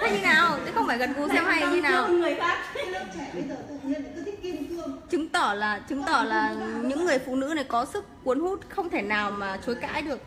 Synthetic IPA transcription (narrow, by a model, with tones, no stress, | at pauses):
a˧ji˧naː˨˩wt͡ɕɨ˨˦xə˧wŋ͡mfaː˧˩jɣə˨˩nku˨˦sɛ˧mha˧jzi˧˦naː˧˨˩wə˨aː˦˥˧ | ə˧jzəː˨˩˧i˦˥˧ŋt͡ɕɨ˨˦ŋt̪ɔ˧˩laː˨˩t͡ɕɨ˨˦ŋt̪ɔ˧˩laː˨˩ɲɨ̰˧˥ŋːɨ˨˩əjfṵ˧˨nɨ̰˧˥na˨˩jkɔ˨˦sɨ˦˥k̚ːu˨˦ənhu˦˥t̚xə˧wŋ͡mt̪ʰe˧˩naː˨˩wmaː˨˩t͡ɕo˨˦jka̰ː˧˥jɗɨ˨˩ək̚